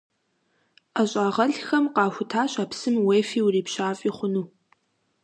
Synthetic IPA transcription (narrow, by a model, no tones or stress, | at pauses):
ʔaɕʼaːʁɐɬxɐmqɑːxʷʊtʰaːɕaːpsɨmweːfiːwʊriːpɕaːfʼiːχʷʊnuː